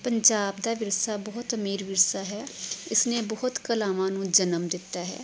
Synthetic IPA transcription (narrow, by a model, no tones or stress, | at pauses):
pəɲd͡ʒaːbd̪aːʋɪɾsabɔɦʊt̪əmiːɾʋɪɾsaɦɛːɪsnebɔɦʊt̪kɐlaːmãːnũːd͡ʒənəmd̪ɪt̪ːaːɦɛ̰ː